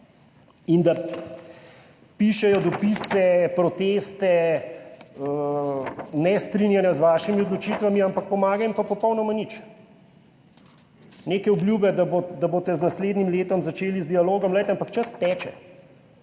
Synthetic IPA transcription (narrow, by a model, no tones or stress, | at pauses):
ind̪a | piʃɛjɔd̪ɔpiːsɛpɾɔt̪eːst̪ɛ | ə | nɛst̪ɾinjanjazʋaːʃimiod̪lɔt͡ʃiːt̪ʋamiampak̚pɔmaːɡajimpapɔpɔwnɔmanit͡ʃ | neːkɛɔbljuːbɛd̪abod̪aboːt̪ɛznasleːd̪nimleːt̪ɔmzat͡ʃeːlizd̪ialoːɡɔmlɛjt̪ɛampakt͡ʃɐst̪ɛːt͡ʃɛ̰